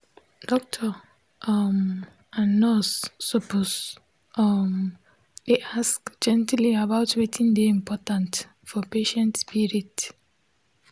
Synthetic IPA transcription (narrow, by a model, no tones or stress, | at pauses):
d̥ɔk̚tʰɔ | m | anɔsːɔpus | m | deʔaskd͡ʒɛ̃ntliabaʊtwetʰĩndeĩmpʰɔtãnt | fɔpeʃɛ̃ntspiɹit